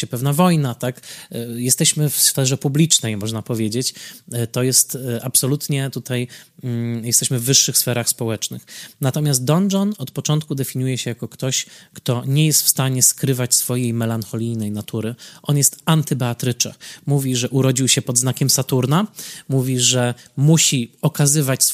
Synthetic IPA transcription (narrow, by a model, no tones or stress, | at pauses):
ɛpɛvnavɔjnat̪akjɛst̪ɛɕmɘfsfɛʐɛpublʲit͡ʂnɛjmɔʐnapɔvʲjed͡ʑet͡ɕt̪ɔjɛst̪ʔapsɔlut̪ɲɛt̪ut̪aj̩ | jɛst̪ɛɕmɘvːɘʂːɘxsfɛɾaxspɔwɛt͡ʂnɘ̰xnat̪ɔmʲjas̬t̪̚d̪ɔnd͡ʐɔnɔt̪pɔt͡ʂɔnt̪̚kud̪ɛfʲiɲujɛɕɛjakɔkt̪ɔɕkt̪ɔɲɛjɛst̪fst̪aɲɛskɾɘvat͡ɕsfɔjejmɛlanxɔlʲijnɛjnat̪ʰuɾɘʔɔnjɛst̪ant̪ɘbɛat̪ɾɘt͡ʂɛ̰muvʲiʐɛʔuɾɔd͡ʑiwɕɛpɔd̪znakʲɛmsat̪uɾnamuvʲiʐɛmuɕiɔkazɘvat͡ɕs